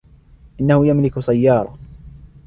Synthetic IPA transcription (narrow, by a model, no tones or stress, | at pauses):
ʔɪnːahʊjamlɪksajːɑːɾˤɑ̰